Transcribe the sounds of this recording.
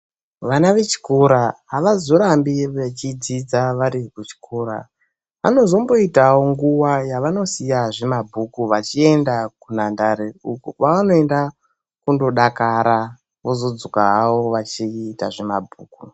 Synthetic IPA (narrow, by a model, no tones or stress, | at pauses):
ʋanaʋe̞t͡ʃi̥koɾaɦaʋazoɾambiʋet͡ʃid͡zid͡zaʋaɾikut͡ʃi̥kʰoːɾa̰ | ʋano̞zo̞mbo̞itawoŋɡuwajaʋano̞sijaʐe̞mabʱukuʋat͡ʃie̞ndakunandaɾeukupaʋano̞enda | kundo̞ɗakaɾa | ʋo̞zo̞d͡zokaɦawo̞ʋat͡ʃiːta̰ʐe̞mabʱuːku